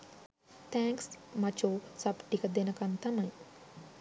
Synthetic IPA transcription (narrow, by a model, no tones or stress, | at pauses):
t̪ʰɛ̃ːŋksmɐt͡ʃoːsɐbʈikəd̪enɐkɐnt̪anɐj̃